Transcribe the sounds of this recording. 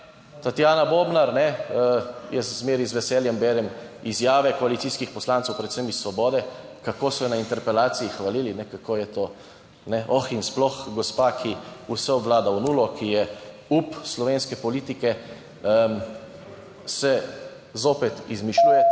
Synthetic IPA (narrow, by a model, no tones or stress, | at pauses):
t̪at̪jaːnaboːbnaɾnɛ | jɛzmeːɾizʋɛsɛːljɛmbɛːɾɛmizjaːʋɛkɔalit̪siːskixpɔslaːnt̪sɛwpɾɛt̪semisːʋɔbɔːd̪ɛkakoːsɔnaint̪ɛɾpɛlaːt̪siixʋaliːlinɛkakʰoːjɛt̪oː | nɛʔɔxinsplɔxɡɔspaːkʰiusɛɔbʋlaːd̪awnuːlɔkijɛ | upslɔʋeːnskɛpɔliːt̪ikɛ | sɛ | zoːpɛt̪izmiʃujɛ